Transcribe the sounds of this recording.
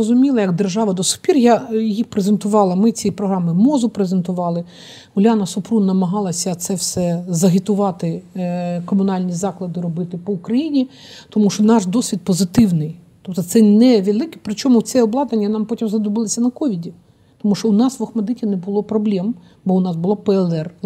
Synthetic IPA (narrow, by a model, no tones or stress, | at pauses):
ɔzʊmʲilˠɐjɐɡd̪erʒɑʋɐd̪ɔsʊ̥pʲirjajixpɾezent̪ʊʋɑlˠɐmɪt͡sʲijipɾɔɦɾɑmɪmɔzʊpɾezent̪ʊʋɑlˠɪ | ʊlʲanɐsʊpɾunɐmɐɦɑlˠɐsʲɐt̪sɛwsɛzɐɦɪt̪ʊʋɑt̪ɪ | kɔmʊnɑlʲnʲizɑklˠɐd̪ɪɾɔbɪt̪ɪpɔʊkɾɐjinʲi | t̪ɔmuʃt͡ʃɔnɑʃd̪ɔsʲʋʲid̪̚pɔzɪt̪ɪwnɪj | t̪ɔp̚t̪ɔt̪sɛnɛʋʲelˠɪkɛ̥pɾɪt͡ʃɔmʊt͡s̪ʲɛɔblˠɑd̪ɐnʲːɐnɑmpɔtʲimzɐd̪ʊbɪlˠɪsʲɐnɐkɔʋʲidʲi | t̪ɔmuʃt͡ʃɔʊnɑsʋɐxmɐd̪ɪtʲinɛbʊlˠɔpɾɔblʲɛm | bɔʊnɑsbʊlˠɔpɛɛlˠɛr